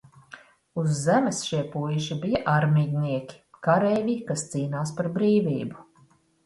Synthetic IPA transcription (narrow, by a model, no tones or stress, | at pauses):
uzːɛmɛsʃiɛpujʒibijɐʔaɾmidʲniɛkʲi̥kaɾɛːvʲikast̪siːnaːspaɾbɾiːvḭːbu